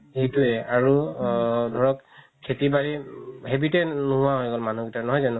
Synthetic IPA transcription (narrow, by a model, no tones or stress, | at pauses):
ejtuɛaɹu | dʱɔɹɔk | kʰːetibaɹiɦɛbitɛnuɦʊaɦɔjɡɔlmanuɡitanɔɦɔjzanʊ